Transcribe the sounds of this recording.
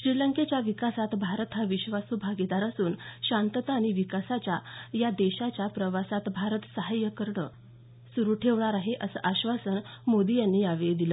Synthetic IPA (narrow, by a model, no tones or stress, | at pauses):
ɕɾiləŋket͡ɕjaʋikasat̪bʱaɾət̪ɦaʋiɕʋasubʱaɡid̪aɾəsuːnɕant̪ət̪aːɽ̃iʋikasat͡ɕjajad̪eɕat͡ɕjapɾəʋasat̪bʱaɾət̪səɦajəkəɾɳə̰ | suɾuːʈʰeʋɳaɾaɦeʔəsə̰ːʔaɕʋasənmod̪ijanːiːaʋed̪ilə